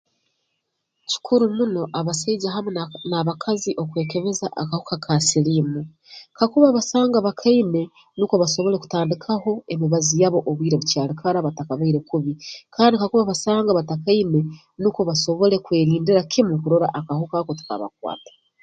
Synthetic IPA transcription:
ci̥kʰuɾumuno̞ʔaβasaiɟaɦamenaβakʰaziʔo̞kwe̞ːke̞βezaʔakahukakʰasilimu | kakuβaβasaːŋɡaβakʰaine̞ | nuko̞βaso̞βo̞le̞ku̥taːndikʰaho̞e̞miβazijaβo̞ʔoβwiːɾeβucaːlikʰaɾaβatakaβaiɾe̞kuβikʰaːndikakuβaβasaːŋɡaβatakaine̞ | nuko̞βaso̞βo̞le̞kwe̞ːɾiːndiɾakʰimukuɾoɾa̰ʔakahukakotu̥ka̰βa̰k̚wa̰ːtḁ

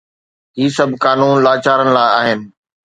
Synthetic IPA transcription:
ɦiːsɐbʱkaːnuːnlaːt͡ɕaːɾənɪ̆laːɪaːɦɪnɪ̆

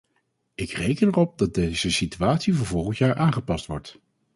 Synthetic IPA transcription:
ɪkrejkənɛrɔp̚dɑt̚dejz̥əsityaːtsivəɹvɔlˠχəntjaːɹʔaːnχəpɑstʋɔ̰ɹt

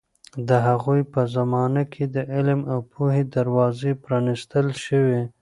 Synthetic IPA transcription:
d̪əɦaɣujpəzamɑnakʰed̪əʔɪlmawpuɦed̪aɾwɑzepɾɑnɪst̪əlʃəwe

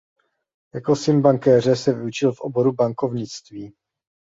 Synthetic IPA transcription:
jako̞sɪnbaŋkɛːr̝ɛsɛvɪut͡ʃɪlfʔo̞̰bo̞ɾubaŋko̞vɲɪt͡st̪viː

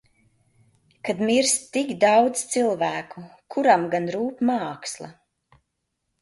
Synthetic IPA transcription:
kad̪miɾst̪ikd̪awd̪z̥t̪silˠvæːkukʰuɾamɡanɾuːpmaːkslˠa̰

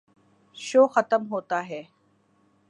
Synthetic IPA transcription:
ʃoːxɐt̪əmɦoːt̪aɦɛː

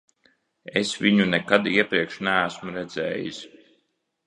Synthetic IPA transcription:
esviɲunɛkad̪iɛpɾiɛkʃnææsmuɾɛd̪zɛ̰ːjḭs

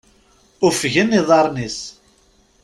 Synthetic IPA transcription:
ʊfʝənːiðˤɑɾˤnis

